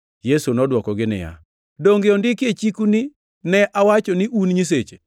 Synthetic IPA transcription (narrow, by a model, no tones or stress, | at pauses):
jesunɔdwɔkɔɡɪnɪ̰ja̰ | doŋɡɪondɪket͡ʃikunɪ | nɛʔawat͡ʃɔnɪʔunɲis̬et͡ʃe